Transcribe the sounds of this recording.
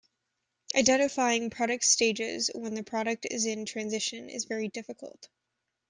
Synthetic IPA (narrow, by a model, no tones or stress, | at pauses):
ʔaɪdɛ̃ɾ̃ɨfaɪɪ̃ŋpʰɹ̥ɑɾɨk̚tsteɪd͡ʒɪ̰zwə̃nðɨpʰɹ̥ɑɾɨk̚tɪ̰zɪ̃ntʰɹ̥æ̃nzɪʃɨ̃nɪ̰zvɛɹidɪfɨkʰəl̩ˠt̚